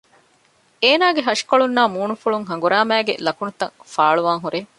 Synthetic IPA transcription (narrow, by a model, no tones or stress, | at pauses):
eːnaːɡeɦɐʂkoɭunːaːmuːnufuɭuŋɦɐŋ̆ɡuɾaːmæːɡḛlɐkunut̪ɐ̰ŋfaːɭuʋaːŋɦuɾeː